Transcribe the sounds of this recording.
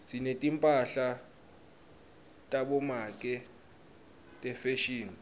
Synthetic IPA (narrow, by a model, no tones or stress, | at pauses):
sinetʼimpʼaɬa | tʼaɓɔmakʼɛ | tʼɛfeʃiːni